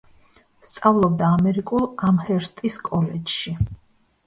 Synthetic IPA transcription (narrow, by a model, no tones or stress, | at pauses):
st̪sʼavlˠɔb̚d̪aːmɛɾikʼulˠamhɛɾst̪ʼiskʼɔlɛd͡ʒʃi